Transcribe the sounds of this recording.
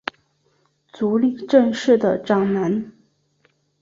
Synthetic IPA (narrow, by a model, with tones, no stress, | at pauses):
t͡su˧˥li˥˩ʈ͡ʂə˥˧nʂɻ̩˥˩d̪ə˩ʈ͡ʂɑ˥˩ŋna˧˥n